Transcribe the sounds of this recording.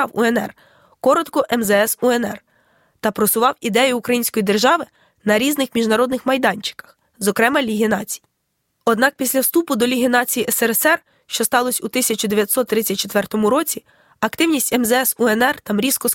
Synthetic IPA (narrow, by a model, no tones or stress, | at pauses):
ɑwṵɛnɛ̰r | kɔɾɔt̪kɔʔɛmzɛɛsuɛnɛr | t̪ɐpɾɔsʊʋɑwid̪ɛjʊːkɾɐjinsʲkɔjid̪erʒɑʋɪ | nɐɾʲiznɪxmʲiʒnɐɾɔd̪nɪxmɐjd̪ɑnʲt͡ʃɪ̥kɐ̥x | zɔkɾɛmɐlʲiɦinɑt͡sʲi̥ji | ɔd̪nɑk̚pʲisʲlʲɐwst̪upʊd̪ɔlʲiɦʲinɑt͡sʲijiɛsɛɾɛsɛr | ʃt͡ʃɔst̪ɑlˠɔsʲut̪ɪsʲɐt͡ʃʊd̪eʋʲjɐt̪ʲsɔt̪ːɾɪt͡sʲːɐt̚ʲt͡ʃet̪ʋɛrt̪ɔmʊɾɔt͡sʲi | ɐkt̪ɪwnʲisʲtʲɛmzɛɛsuɛnɛrt̪ɑmɾʲiskɔ